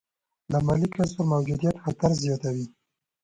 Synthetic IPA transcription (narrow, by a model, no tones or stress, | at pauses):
lamɑlikaspəɾmawd͡ʒud̪ijat̪xat̪aɾzjɑt̪awi